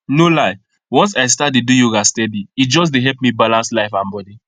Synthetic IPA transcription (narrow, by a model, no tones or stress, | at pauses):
nolaɪ | wɔ̃ns̬aɪstat̚dedujuɡastɛdiit̚d͡ʒɔs̬deɦɛlpmibalãnslaɪfãnbɔdi